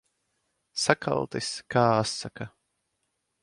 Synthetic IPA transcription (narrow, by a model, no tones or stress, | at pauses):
sakʰa̰lˠt̪iskaːasːaka